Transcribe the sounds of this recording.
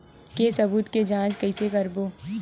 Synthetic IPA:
kesɐbuːt̪ked͡ʒãːt͡ʃkɐɪsekɐɾboː

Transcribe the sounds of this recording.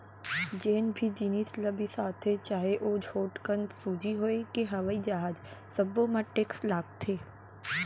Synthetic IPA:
d͡ʒeːnbʱid͡ʒinislɐbʱisaːt̪ʰːet͡ʃaːɦeʔoːd͡ʒʱoːʈkənd̪suːd͡ʒiɦoekeɦɐʋaːid͡ʒaːɦd͡ʒsɐbõmãʈeːkslaːk̚t̪ʰːeː

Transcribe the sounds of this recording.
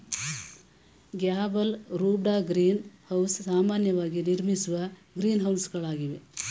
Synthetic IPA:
ɡjaːbɐlɾuːbɖaːɡɾiːnhɐwssaːmaːnjɐʋaːɡiniɾmisuʋɐ | ɡɾiːnɦɐwsɡɐɭaːɡiʋe

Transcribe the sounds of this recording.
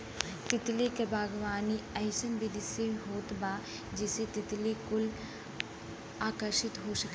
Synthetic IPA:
t̪ɪt̪likebʱaːɡʋaːniɐɪsənbʱid̪ɪseɦoːt̪baː | d͡ʒɪset̪ɪt̪likʊl | aːkəɾʃɪt̪ɦoʃɐke

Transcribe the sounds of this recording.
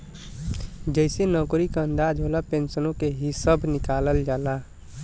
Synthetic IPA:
d͡ʒəɪsenɔːkɾikaənd̪aːd͡ʒɦolapẽnsənõkeɦisəbʱnɪkaːləld͡ʒaːla

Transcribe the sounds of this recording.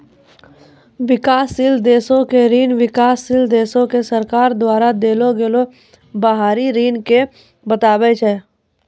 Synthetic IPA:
ʋɪkaːsɪld̪eːsõkeɾiːnʋɪkaːsɪld̪eːsõkesəɾkaːɾd̪waːɾad̪eːloɡeːlo | baɦaːɾiɾiːnke | bət̪aːbet͡ʃʰɛ

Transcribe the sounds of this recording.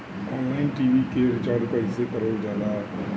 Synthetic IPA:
ɔːnlaːɪnʈiːʋikeɾɪt͡ʃaːɾɾʊpəisekəɾoːld͡ʒjaːd̪a

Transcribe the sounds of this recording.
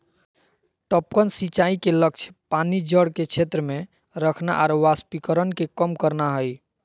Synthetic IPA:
ʈɔp̚kənsit͡ʃaikelək̚t͡ʃʰpanid͡ʒəɽket͡ʃʰet̪ɾəme | ɾəkʰna̰ʔaɾʋaspikəɾənkekəmkəɾnaɦəj

